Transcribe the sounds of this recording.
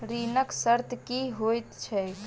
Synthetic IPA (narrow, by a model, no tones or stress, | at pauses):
ɾinəksəɾt̪kiɦojt̪t͡ʃʰɛ